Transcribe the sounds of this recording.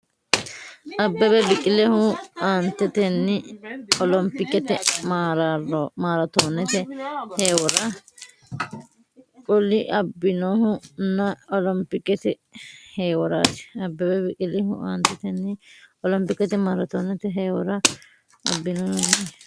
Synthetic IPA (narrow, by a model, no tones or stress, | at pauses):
ʔɐbːɛbɛbɪkʼɪlɛhʊaːnt̪ːɛt̪ɛnːɪɔlɔmpɪkːɛt̪ɛmaːɾɾmaːɾɐt̪oːnːɛt̪ɛheːwɔɾɐ | kʼʊlɪʔɐbːɪnohʊnɐɔlɔmpɪkːɛt̪ɪ | heːwɔɾa̰ːt̪ɪ̥ɐbːɛbɛbɪkʼɪlɛɦʊ̰a̰ːnt̪ːɛt̪ɛnːɪɔlɔmpɪkːɛt̪ɪmaːɾɐt̪oːnːɛt̪ɛɦeːwɔɾɐ | ɐ̰bːɪnoːhʊnːɛ